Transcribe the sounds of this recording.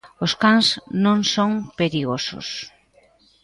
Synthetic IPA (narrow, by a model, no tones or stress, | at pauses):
oskaŋsnõŋsõŋpeɾiɣoso̰s